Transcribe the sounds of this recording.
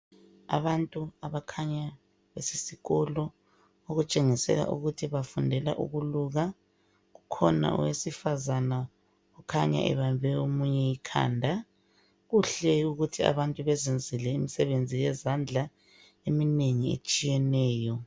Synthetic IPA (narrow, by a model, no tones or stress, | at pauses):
a̰βantʼuaβakʰaɲa | βesi̥siɣɔlɔ | oɣut͡ʃʼeŋisɛ̰ɣa̰ʔṵɣutʰiβafundʱɛla̰ʔṵɣuluɣa | ɣukʰɔna̰ʔɔ̰wesifazana | ukʰaɲa̰ʔɛ̰βambʱɛomuɲɛikʰa̰ːndʱa | ɣuɬɛuɣutʰia̰βantʼuβɛzend͡zʱilɛimisɛβend͡zʱijɛzand͡ɮʱa | emineŋiḛt͡ʃʼijɛnɛːjɔ